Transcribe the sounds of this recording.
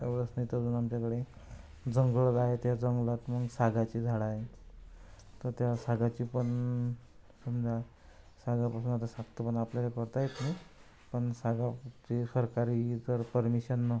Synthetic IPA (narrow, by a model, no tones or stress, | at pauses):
eʋɾəsnəit̪əd͡zuːnamt͡ɕakəɽe | d͡zəŋɡɭəlaɦet̪jad͡zəŋɡɭat̪məɡsaɡat͡ɕiːd͡zʱaɽaɦe | t̪əɾt̪jasaɡat͡ɕipəɳ | sumd͡zʱa | saɡapasuːnat̪asak̚t̪əpəɳapljaɾekəɾt̪ajet̪ni | pəɳsaɡat͡ɕisəɾkaɾit̪əɾpəɾmiɕənːə